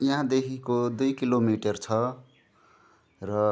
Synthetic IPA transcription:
jiɦãd̪ekʰikod̪ujkilomiʈʌrt͡sʰʌ | rʌ

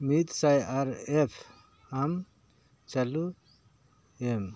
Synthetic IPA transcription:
mit̪sajaɾepʰ | am | t͡ʃalu | em

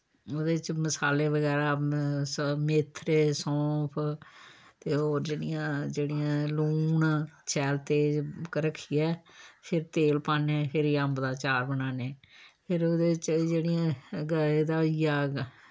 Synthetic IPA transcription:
oːd̪eːt͡ʃməsaːleːʋəɡɛːɾaːsmɪt̪ʰːɾesɔ̃ːpʰ | t̪eːoːɾd͡ʒeːɽɪjãːd͡ʒeːɽɪjãːluːnt͡ʃʰɛːlt̪eːkəɾəkʰːiːɛːpʰɪɾt̪eːlpaːneːpʰɪɾiəmbd̪aːt͡ʃaːɾbənaːneːpʰɪɾoːd̪eːt͡ʃd͡ʒeːɽɪjãːɡəd̪aːijaː

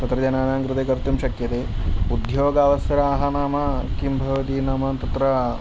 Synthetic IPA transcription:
t̪ɐt̪ɾɐd͡ʒɐnaːnaːŋkɾɨt̪eːkɐɾt̪umʃɐkjɐt̪eːud̪joːɡaːʋɐsɐɾaːɦɐnaːmɐkimbʱɐʋɐt̪iːnɐːmɐt̪ɐt̪ɾɐ

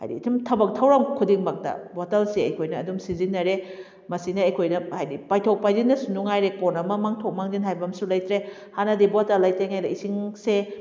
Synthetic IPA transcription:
ha̰jdḭtʰumtʰɐbɐk̚tʰɐwɾɐmkʰudiŋmɐk̚dɐ̰botɐlseɐ̰jkʰojnɐːdumsizinːɐɾe | mɐsinɐɐjkʰojnɐhajdipajtʰow̚pajzinːɐsunuŋajɾekonɐmɐmaŋtʰok̚maŋdinɦajbɐmsulɐjtɾe | hanɐdibotalːɐjtɾeŋajɾɐisiŋse

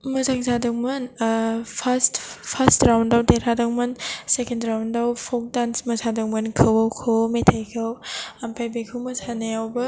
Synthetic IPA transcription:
mɯzaŋzadɯŋmɯnpʰastpʰastɾawndawdeɾadɯŋmɯnsekendɾawndawpʰɔk̚dansmɯsadɯŋmɯnkʰɯwawkʰɯwmetʰajkʰɯwampʰajbekʰɯwmɯsaneawbɯ

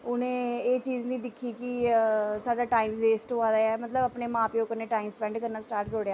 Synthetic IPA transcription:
ʊnẽːeːt͡ʃiːznĩːd̪ɪkʰːiːkisaːɖaːʈaːimɾeːsʈoaːd̪aːɛːmət̪ləbəpneːmãːpɪjoːkəɾnẽːʈaːimspɛ̃ːɳɖkəɾnaːsʈaːɾʈɡoːɽejaː

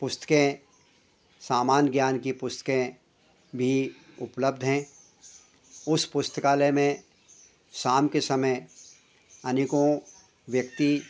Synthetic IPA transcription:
pʊst̪ə̥kẽ | saːmaːnɡjaːnkipʊst̪ə̥kẽ | bʱi | ʊpləb̚d̪ʱɦɛ̃ | ʊspʊst̪ʰəkaːlemẽ | ʃaːmkesɐməj | ɐnɪkõ | ʋjək̚t̪i

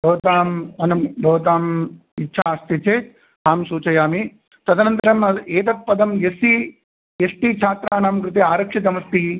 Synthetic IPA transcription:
bʱɐːt̪aːmɐnɐbʱɐːʋt̪aːm | itːʃʰaːɐst̪it͡ʃeːt | ɦaːmsuːt͡ʃɐjaːmi | t̪ɐd̪ɐnɐnt̪ɐɾɐmɐeːt̪ɐt̪̚pɐd̪ɐmjesi | esʈit͡ʃʰaːt̪ɾaːnaːmkɾut̪̬iaːɾɐkʂit̪̬ɐmɐst̪i

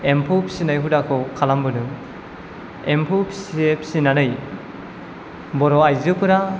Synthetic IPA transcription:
empʰupʰisinajɦudakʰɯwkʰalambɯnɯŋ | empʰupʰi̥sepʰi̥sinanɯj | bɔɾɔajzɯkʰɯɾa

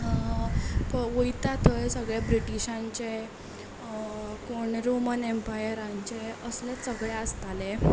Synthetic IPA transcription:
pəʋəjt̪at̪əjsəɡɭjabɾiʈiɕãɲt͡ɕe | koɳɾomənempajɾãɲt͡ɕeəslɛsəɡɭjaəst̪ale

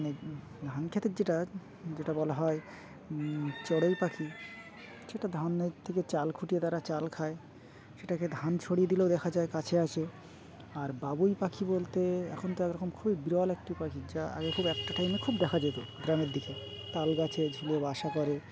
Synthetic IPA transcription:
ne | d̪ʱankʰet̪eɾd͡ʑeʈa | d͡ʑeʈabɔlaɦɔe | t͡ɕɔɽejpakʰi | ʃeʈad̪ʱaneɾt̪ʰeket͡ɕalkʰuʈiet̪aɾat͡ɕalkʰae | ʃeʈaked̪ʱant͡ɕʰoɽied̪ileod̪ɛkʰad͡ʑaekat͡ɕʰeat͡ɕʰe | aɾbabujpakʰibolt̪eɛ̰kʰont̪oɛkɾɔkomkʰubibiɾɔalɛk̚ʈipakʰid͡ʑaa̰ɡekʰubɛk̚ʈaʈajmekʰubd̪ɛkʰad͡ʑet̪od̪ɾameɾd̪ike | t̪alɡat͡ɕʰed͡ʑʱuliebaʃakɔɾe

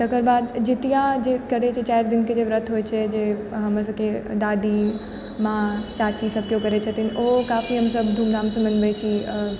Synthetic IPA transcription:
t̪əkəɾbaːd̪d͡ʒɪt̪ijad͡ʒekəɾet͡ʃʰet͡ʃaɪɾd̪ɪnked͡ʒeʋɾət̪ʰɦoːjt͡ʃʰed͡ʒeɦəmə̃səked̪aːd̪i | mãt͡ʃaːt͡ʃisəb̚kjokəɾet͡ʃʰet̪inokafiɦəmsəbd̪ʱuːmnamsə̃mənbət͡ʃʰi

